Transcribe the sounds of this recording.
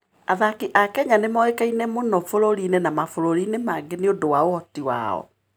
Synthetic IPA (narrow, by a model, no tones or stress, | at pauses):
aðakiʔakɛɲanemɔekainɛmonɔfoɾoɾinenamafoɾoɾinemaɡeneodowaoɔtiwa̰ɔ̰